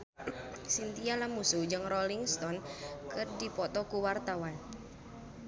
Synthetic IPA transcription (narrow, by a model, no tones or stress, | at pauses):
sint̪ialamusud͡ʒɨŋrɔliŋst̪ɔnkɨrdipɔt̪ɔkuwart̪awan